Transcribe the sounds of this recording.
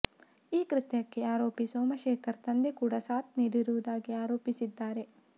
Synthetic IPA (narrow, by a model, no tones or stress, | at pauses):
iːkɾɪt̪jɐkːe̞aːɾoːpisoːmɐʃɛːkʰɐɾt̪ɐnd̪ekuːɽasaːt̪̚niːɽiɾuʋud̪aːɡiaːɾo̞ːpisid̪ːaːɾe̞